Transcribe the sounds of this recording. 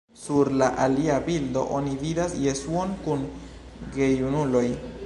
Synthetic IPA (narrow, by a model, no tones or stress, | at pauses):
suɾlaʔaliabildo̞̰ʔonividasjesuonkun | ɡejunulo̞j